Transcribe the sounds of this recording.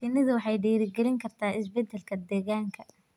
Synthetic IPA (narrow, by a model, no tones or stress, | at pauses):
inɐðʊwɑħɑjɖiːɾɪɡɛlɪŋkʰɐrt̪ʰaːɪsbɛd̪ɛlkʰɐd̪ɛːɣaːŋkʰɐ